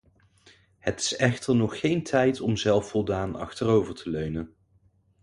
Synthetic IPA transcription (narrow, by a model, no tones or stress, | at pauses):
hətɪ̥sɛχtəɹnɔχːejntʰɛjtɔmzɛlˠfɔlˠdaːnɑ̰χtərowvəɹtʰəløɥnən